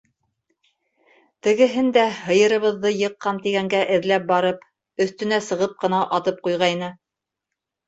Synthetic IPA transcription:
t̪ɘ̆ɡɘ̆ɦɘnd̪æhɤ̆jɤ̆ɾɤ̆βɤ̆ðːɤjɤ̆qːɑnt̪iɡæŋɡæʔɘ̆ðlæp̚bɑɾɤp | ɵ̆θt̪ɵ̆næsɤ̆ʁɤp̚qɤ̆nɑʔɑt̪ɤp̚qujʁɑjnɤ

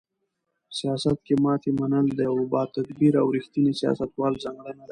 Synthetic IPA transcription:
sijɑsat̪̚kemɑt̪emanəld̪əjawbɑt̪ad̪biɾa̰wɾixt̪inisijɑ̰sat̪wɑlzaŋɡɽənad̪a

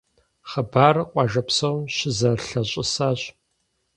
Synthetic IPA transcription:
χəbaːrqʷʼɑːʒɐpsɐwmɕɪzɐrɬɐɕʼɪsaːɕʼ

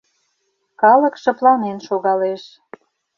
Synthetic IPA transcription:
kɑlə̆kʃɤ̆plɑnenʃoɣɑleʃ

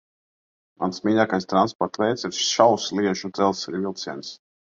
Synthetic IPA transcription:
ma̰nsmiːʎaːkajst̪ɾanspɔɾt̪vɛjt̪siɾʃʃawslˠiɛʒud̪z̥ɛlˠsiɾvilˠt̪siɛns

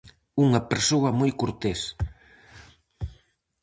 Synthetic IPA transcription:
uŋɐpeɾsoɐmojkuɾt̪es

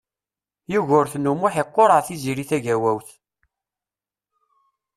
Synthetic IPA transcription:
juʝʊɾθnːumuħeqːoɾəʁθiziɾiθæʝæwæwθ

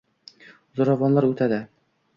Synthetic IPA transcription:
zŏɾɑvɑnlˠɑɾʉt̪æd̪æ

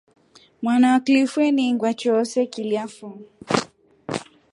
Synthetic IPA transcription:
mwanawaklifwɛniŋɡwat͡ʃɔsɛkiliafɔ

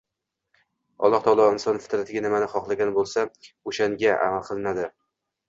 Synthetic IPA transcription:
ɒ̰lˠːɒht̪ʰɒlˠɒɪnsɒnfɪ̥t̪ɾat̪ʰɪɡʲanɪmanɪχɒχlˠaɡʲanbolˠsa | oʃaŋɡʲaʔa̰malˠqʰɨlˠnad̪ɪ

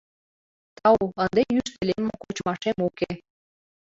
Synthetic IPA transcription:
t̪ɑuənd̪ejyʃt̪ĕlemokot͡ɕmɑʃemuke

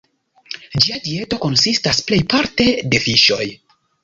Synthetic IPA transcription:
d͡ʒiadie̞to̞ko̞nsistasple̞jpaɾte̞de̞fiʃo̞j

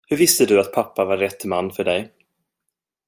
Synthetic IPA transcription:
hɵɾvɪst̪əd̪ɵat̪̚pʰapːavaɾːɛt̪ːmanːfœɖɛj

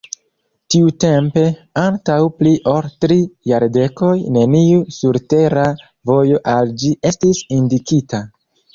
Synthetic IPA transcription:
tiute̞mpe̞antawpliʔo̞ltɾijaɾde̞ko̞jne̞niusuɾte̞ɾa | vo̞jo̞ʔald͡ʒiʔe̞stisindikita

